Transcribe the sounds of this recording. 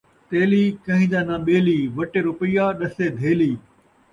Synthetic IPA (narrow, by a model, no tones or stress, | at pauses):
t̪eːliːkɐ̃ɦɪ̃d͡ʑãːnãɓeːliːʋɐʈeɾʊpɪjaɗɐsed̪ʱeːliː